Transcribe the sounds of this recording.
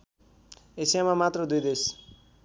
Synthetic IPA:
esijamamat̪rʌd̪ujd̪es

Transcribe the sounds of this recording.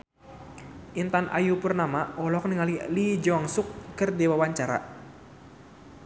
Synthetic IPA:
ʔint̪anʔa̰jupʊrnamaɔlɔk̚nəŋalilid͡ʒaŋsʊk̚kərdewawaɲt͡ʃaɾa̰

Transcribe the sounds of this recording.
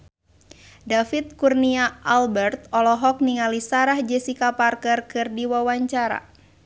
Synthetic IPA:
dafit̪̚kurniaalbɛrt̪̚ɔlɔɦɔk̚niŋalisaɾahd͡ʒɛsikaparkɛrkɨrdiwawaɲt͡ʃaɾa̰

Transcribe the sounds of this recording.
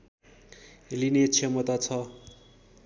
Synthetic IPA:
elinet͡sʰemʌt̪at͡sʰʌ

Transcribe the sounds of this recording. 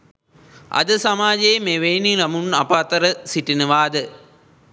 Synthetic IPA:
ɐ̰d̪ɨsɐmaːd͡ʒeːmeːʋeːnilɐmunɐpat̪ɐɾɐsiʈːinɯʋaːd̪ɨ

